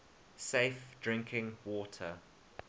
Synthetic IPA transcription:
seɪfd̥ɹɪ̃ŋkʰɪ̃ŋwɔtʰə

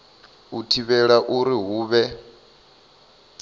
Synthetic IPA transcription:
utʰiβɛɺaʔuɾiɦuːβɛ

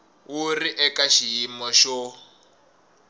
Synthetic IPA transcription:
uriʔɛkaʃijimɔʃɔ

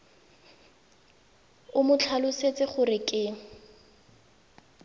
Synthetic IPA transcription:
ʊmʊt͡ɬʰalʊset͡sɪχʊrɪkʼɪ

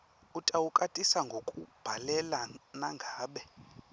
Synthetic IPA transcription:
utʼawukʼatʼisaŋɡʱokʼub̥ʱalɛlanaŋɡʱaːɓɛ

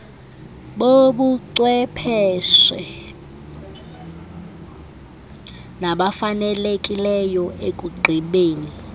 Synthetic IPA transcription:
ɓoɓuǀwɛpʰɛʃɛ | naɓafanɛlekʼilɛjɔekʼuɡ͡ǃʱiɓeːni

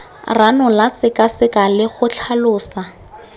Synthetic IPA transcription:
ranʊlat͡sɪkasɪkalɪχʊt͡ɬʰalʊːsa

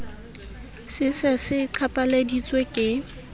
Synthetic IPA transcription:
sɪsasɪǀʰapʼaledit͡sʼwekʼɪ

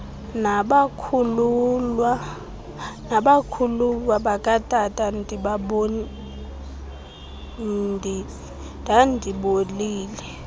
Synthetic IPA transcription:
naɓakʰululwa | naɓakʰululwaɓakʼatʼatʼandʱʼiɓaɓoni | ndʱi | dʱandʱiɓoliːlɛ

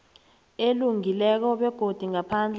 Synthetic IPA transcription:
eluŋilɛk̬ɔɓɛɡ̥ʱod̥ʱiŋapʰaːnd͡ɮʱ

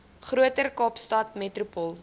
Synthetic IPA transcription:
χɾuətərkɑːpstɑtmɛtrupɔlˠ

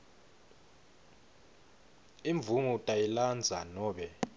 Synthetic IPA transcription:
iɱb̪vumutʼajiland͡zʱanɔːɓɛ

